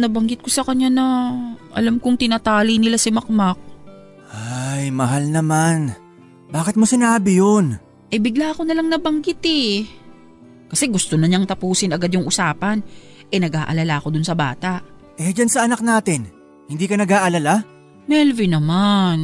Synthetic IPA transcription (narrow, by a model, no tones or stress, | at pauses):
nɐbɐŋɡɪt̪̚ko̞sɐkɐɲːanɐʔɐ̰lamkʊŋt̪ɪnaːt̪aːlinɪlasɪmɐk̚mak̚ | ʔajmɐɦalnɐman | baːkɪt̪mosɪnaːbɪjon | ʔɛbɪɡlaːʔɐko̞nɐlaŋnɐbɐŋɡɪt̪ɛ | kɐsɛɡʊst̪onɐɲaŋt̪ɐpuːsɪnɐɡad̪jʊŋʔʊsaːpɐn | ʔɛnɐɡʔaːʔɐ̰lalaʔɐko̞d̪ʊnsɐbaːt̪aʔ | ʔɛd͡ʒansɐɐnak̚naːt̪ɪn | hɪnd̪iːkɐnɐɡaːʔɐlala | mɛlvɪnɐman